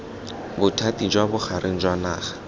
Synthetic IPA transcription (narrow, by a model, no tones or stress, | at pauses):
bʊtʰatid͡ʒwabʊχaɾʔeŋ̩d͡ʒwanaːχḁ